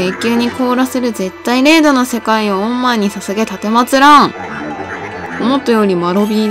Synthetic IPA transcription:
ekʲɨːɲ̟ikʰo̞ːɾasɨɾɯ̟ze̞t̪ːaiɾe̞ːd̪o̞nose̞kaioõmːaɲ̟isasɨɡe̞t̪at̪e̞mat͡sɨɾãɯ̃ | omo̞t̪ːojo̞ːɾʲimaɾo̞bʲi

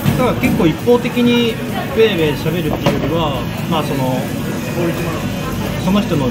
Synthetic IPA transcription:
d̪aɡake̞kːo̞ːipːo̞ːt̪e̞kʲiɲ̟i | be̞ːɾe̞ɕabe̞ɾɯ̟t̪ːe̞iɯ̟jo̞ɾʲiβa | maːso̞no̞ | boːɾii | so̞no̞çi̥t̪ono

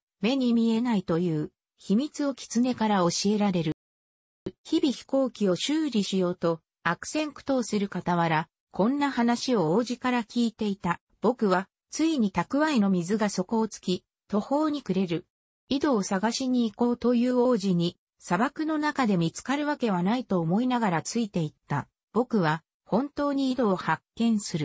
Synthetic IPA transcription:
me̞ɲ̟imʲie̞nait̪o̞jɯ̟ː | çimʲit͡sɨo̞kʲi̥t͡sɨne̞kaɾao̞ɕie̞ɾaɾe̞ɾɯ̟ | çibʲiçi̥ko̞ːkʲio̞ɕɨːɾʲiɕijo̞ːt̪o̞ | akɯ̟̥sẽ̞ŋkɯ̟̥t̪o̞ːsɨɾɯ̟kat̪aβaɾa | kʰõ̞nːahanaɕio̞oːʑikaɾakʲiːt̪e̞it̪a | b̥o̞kɯ̟βa | t͡sɨiɲ̟it̪akɯ̟βaino̞mʲizɨɡaso̞ko̞ːt͡sɨ̥kʲi | t̪o̞ho̞ːɲ̟ikɯ̟ɾe̞ɾɯ̟ | id̪o̞ːsaɡaɕiɲ̟iːko̞ːt̪o̞jɯ̟ːo̞ːʑiɲ̟i | sabakɯ̟no̞nakad̪e̞mʲit͡sɨ̥kaɾɯ̟βake̞β̞anait̪o̞ːmo̞inaɡaɾat͡sɨit̪e̞it̪ːa̰ | b̥o̞kɯ̟βa | hõ̞nt̪o̞ːɲ̟iːd̪o̞ːhakːẽ̞ɰ̃sɨɾɯ̟

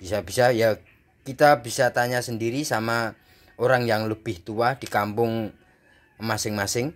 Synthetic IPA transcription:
b̥isabisaja | kit̪abisat̪aɲasəndiɾisama | oɾaŋjaŋləb̥ɪht̪uahd̥ikampʊŋ | masɪŋmasɪŋ

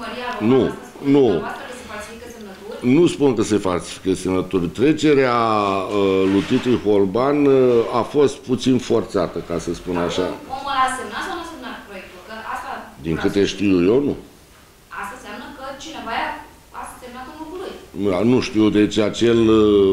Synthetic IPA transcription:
məɾian | nukəsefalsifikəsemnət̪unuspunkəse̞falsi̥fi̥kəsemnət̪urʲt̪ɾe̞t͡ʃe̞ɾeaəlujt̪it̪ɾujho̞lbanafo̞st̪̚put̪sinfo̞rt̪sat̪əkasəspunaʃaoməlasemnasawnusemnat̪pɾojek̚t̪ulkəast̪ad̪iŋkɨt̪e̞ʃt̪iuje̞wnu | ast̪anseamnəkət͡ʃinevaja | asəsemnat̪unukuɾɨanuʃt̪id̪e̞t͡ʃat͡ʃe̞l

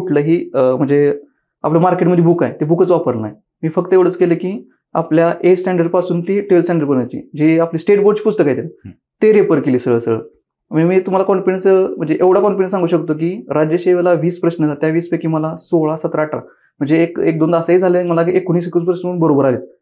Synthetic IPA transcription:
uʈləːɦiːm̤əɳd͡ze | a̰plamaɾkeʈməd̪ʱːibukajt̪ebukət͡sʋapəɾna̰j | miːfək̚t̪əeʋɽ̤ət͡skeləkiː | a̰pljaʔesʈɛ̃ɳɖəɾɖpasuːnt̪iʈiʋelsẽɳɖəɾkəɳjajt͡ɕḭːd͡ʑiːapliːsʈeʈboɾɖt͡ɕiːpud͡zʰʱt̪əkaɦjt̪en | t̪eɾepəɾkeliːsəɭəsəɭə̰ | mimiːt̪um̤alakɔɳpeɳsm̤əɳd͡zeʔeʋɽ̤akɔɳpeɳs̬aŋɡuːɕəkt̪ok̬iːɾad͡ʑjəɕeʋelaʋiːspɾəɕnəd͡zat̪jaʋiːspekiːməlasoɭasət̪ɾaaʈɾa̰ | m̤əɳd͡zeːkek̚d̪ond̪əsaɦid͡zʱaləməlaekoñiːs̬ekupɾəsuːnbəɾobəɾale

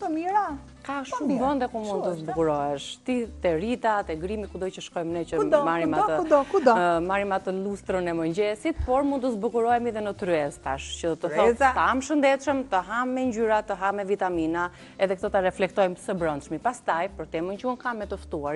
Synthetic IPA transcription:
t̪əmiɾa | kaʃumvənd̪ɛkumund̪t̪əzbukuɾɔɛʃt̪it̪ɛɾit̪at̪ɛɡɾimikud̪ɔjt͡ʃəʃkɔjmnɛt͡ʃəmaɾimaəud̪ɔkud̪ɔmaɾimat̪əlust̪ɾənɛməɲd͡ʑɛsit̪̚pɔɾmund̪t̪əzbukuɾɔjmiðɛnət̪ɾyɛst̪aʃcət̪əθɔəamʃənd̪ɛt̪ʃəmt̪əɦamːɛɲɟyɾat̪əɦamɛvit̪amina | ɛðɛk̚t̪ɔt̪aɾɛflɛk̚t̪ɔjmsəbɾɔnd̪ʃmipast̪ajpəɾt̪ɛmənt͡ʃunkamːɛt̪əft̪uaɾ

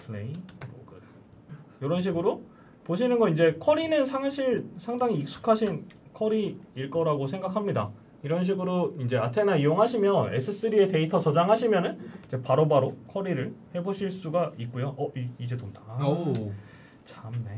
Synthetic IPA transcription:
pʰleiɾo̰ɡɯ | jʌɾʌnɕ̬ʰiɡɯɾo | poɕ̬ʰinɯnɡʌind͡ʑe̞kʰʌɾinɯnsʰaŋɕʰiɭsʰaŋdaŋiːk̚s͈u̥kʰaɕʰinkʰʌɾiiɭk͈ʌɾaɡosʰe̞ŋɡakʰamɲida̰ | iɾʌnɕ̬ʰiɡɯɾoind͡ʑe̞atʰe̞naijoŋɦaɕʰimjʌne̞s͈ʰɯs͈ɯɾie̞te̞itʰʌt͡ɕʌd͡ʑaŋɦaɕʰimjʌnɯnid͡ʑe̞paɾobaɾokʰʌɾiɾɯɭhe̞boɕʰiɭs͈uɡait̚k͈ojoʔʌʔiid͡ʑe̞tonda | t͡ɕamne

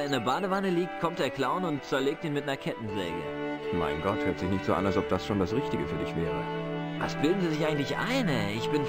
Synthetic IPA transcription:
ɪndeɐbaːdəvanəliːk̚t̚kʰɔmt̚d̥eːɐkl̥aʊnʊntt͡sɛɐleːk̚tiːnmɪtnɐɐkʰɛtn̩zɛ̰ːɡə̰ma̰ɪnɡɔthɛltz̥ɪçnɪçtz̥o̰ːʔa̰nalsɔp̚d̥asʃoːndasʁɪçtɪɡəfyːɐdɪçv̥ɛːʁəʔa̰sb̥løːɡn̩ziːzɪçaɪŋ̩tlɪçʔa̰ɪnəɪçb̥ɪn

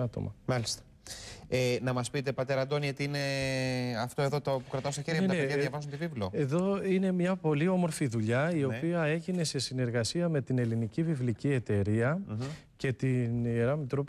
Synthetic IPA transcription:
ɐt̪o̞̰mɐ̰mɐlist̪ɐ̥ | enɐmɐspit̪e̞pɐt̪eɾɐnd̪o̞niot̪iine̞ | ɐft̪oe̞ðot̪opukɾɐt̪ɐst̪oçeɾiɐnet̪nepeðjɐðjɐvɐzunt̪ivivloe̞ðo̞ine̞mɲɐpo̞lio̞mo̞ɾfiðuʎɐio̞piɐe̞ʝine̞se̞sine̞ɾɣɐsiɐme̞t̪ine̞linicivivlicie̞t̪e̞ɾiɐ | ce̞t̪inieɾɐmit̪ɾop

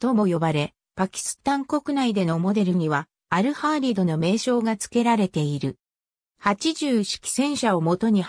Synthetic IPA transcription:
t̪o̞mo̞jo̞baɾe̞ | pakʲi̥sɨ̥t̪ãŋko̞kɯ̟naid̪e̞no̞mo̞d̪e̞ɾɯ̟ɲ̟iβaː | ɾɯ̟haːɾʲiːd̪o̞no̞me̞ːɕo̞ːɡat͡sɨ̥ke̞ɾaɾe̞t̪e̞iɾɯ̟ | hat͡ɕiʑɨːɕi̥kʲi̥sẽ̞ɰ̃ɕao̞mo̞t̪o̞ɲ̟i

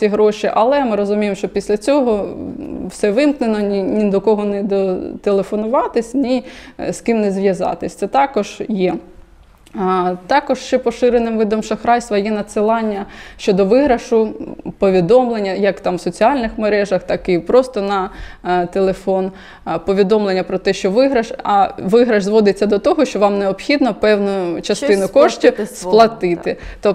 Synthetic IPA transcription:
iɦɾɔʃʲiʔɐlˠɛmɪɾɔzʊmʲijemʃt͡ʃɔpʲisʲlʲɐt͡sʲɔɦɔ | wsɛʋɪmk̪nenɔnʲinʲid̪ɔkɔɦɔnɛd̪ɔt̪elˠefɔnʊʋɑt̪ɪsʲnʲiskɪmnɛzʋʲjɐzɑ̰t̪ɪsʲt̪ɛt̪ɑkɔʒ̥jɛ | t̪ɑkɔʒʃt͡ʃɛpɔʃɪɾenɪmʋɪd̪ɔmʃɐxɾɑjst̪ʋɐjɛnɐsɪlˠɑnʲːɐʃt͡ʃɔd̪ɔʋɪɦɾɐʃʊpɔʋʲid̪ɔmlˠenʲːɐjɐkt̪ɑmwsɔt͡sʲiɑlʲnɪxmeɾɛʒɐxt̪ɑkipɾɔst̪ɔnɐt̪elˠefɔn | pɔʋʲid̪ɔmlˠenʲːɐpɾɔt̪ɛʃt͡ʃɔʋɪɦɾɐʃɐʋɪɦɾɐʒzʋɔd̪ɪt͡sʲːɐd̪ɔt̪ɔɦɔʃt͡ʃɔʋɑmneɔpxʲid̪nɔpɛwnʊʊt͡ʃɐst̪ɪnʊkɔʃtʲisplˠɐt̪ɪt̪ɪt̪ɔ

